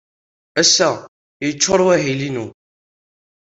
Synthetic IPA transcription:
æsːæ | jət͡ʃːoɾˤwæɦilinu

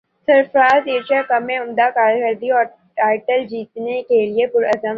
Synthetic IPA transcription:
sɐɾfɾaːzeːʃakɐmẽʊmd̪akaːɾkəɾd̪iɔːɾ | ʈaːɪʈəld͡ʒiːt̪nekeliepʊɾɐzəm

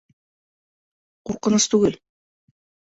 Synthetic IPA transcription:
quɾqɤ̆nɤst̪ʉɡɘl

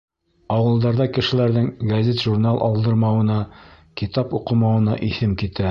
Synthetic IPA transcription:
ɑwɤ̆lˠd̪ɑɾðɑkɘ̆ʃɘ̆læɾðɘŋɡɐzʲet̪ʒuɾnalˠʔɑ̰lˠd̪ɤ̆ɾmɑwɤ̆nɑ | kit̪ɑpuqɤ̆mɑwɤ̆nɑʔiθɘmkit̪æ

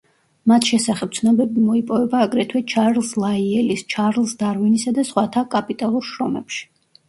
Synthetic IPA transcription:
mat̪ʰʃɛsaχɛp̚t̪sʰnɔbɛbimɔipʼɔvɛbaːɡɾɛt̪ʰwɛt͡ʃʰaɾlˠslˠaiɛlist͡ʃʰaɾlˠsd̪aɾvinisad̪asχwat̪ʰakʼapʼit̪ʼalˠuɾʃɾɔmɛ̰pʃi̥

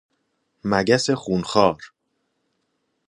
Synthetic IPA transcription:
mæɟæsexuːnxɒːɾ

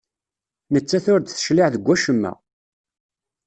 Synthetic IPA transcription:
nət͡sːæθʊɾd̪θə̥ʃliʕðəɡʷːæʃəmːæ̰

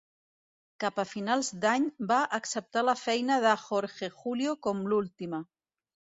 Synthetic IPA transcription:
kapəfinalˠzd̪aɲbaʔəksəp̚t̪aləfɛjnəðəxoɾʒexuljokɔmlulˠt̪imə

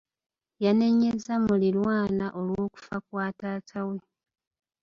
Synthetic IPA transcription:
jane̞ɲːezamulilwaːnaʔo̞lwo̞ːku̥fakwaːtaːtʰawe̞

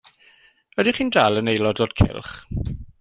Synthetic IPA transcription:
ədiχiːndalˠənejlˠɔdoːd̥kʰɪ̰lˠχ

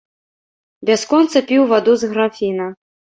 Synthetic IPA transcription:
bʲaskɔnt̪sɐpʲiwvad̪uzɣɾafʲinɐ

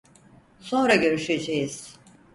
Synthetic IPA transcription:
so̞nɾaɟø̞ɾyʃed͡ʒejiz̥

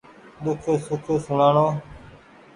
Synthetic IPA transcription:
d̪ʊkʰoːsʊkʰoːsʊɳaːɳoː

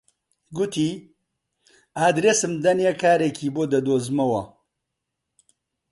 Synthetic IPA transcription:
ɡʊt̪ʰiː | aːd̪ɾeːsɨmd̪ɐnekaːɾekʰiːboːd̪ɐd̪oːzmɐwɐ

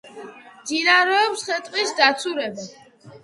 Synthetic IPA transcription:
d͡ʒinaɾɔːpsχɛt̪ʼqʼisd̪at̪sʰuɾɛba

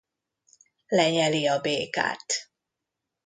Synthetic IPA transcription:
lɛɲɛliɒbeːka̰ːt̪

